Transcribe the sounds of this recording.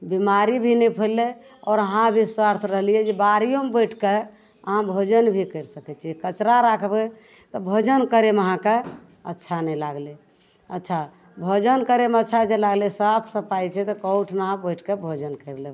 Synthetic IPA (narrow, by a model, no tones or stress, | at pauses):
bimaɾibʱinɛpʰəlːe | ɔɾəɦãbʱiswaɾt̪ʰɾəɦlijɛd͡ʒebaɾijomebəjʈʰke | əɦãbʱod͡ʒənbʱikəɾsəkɛt͡ʃʰiɛkət͡ʃɾaɾakʰbe | t̪ɔbʱod͡ʒənkəɾeməɦãke | ətːʃʰanɛlaɡle | ətːʃʰa | bʱod͡ʒənkəɾemətːt͡ʃʰad͡ʒelaɡlesəbʰsəpajt͡ʃʰɛt̪ɔkɔʊʈʰnaãbəʈʰkebʱod͡ʒənkəble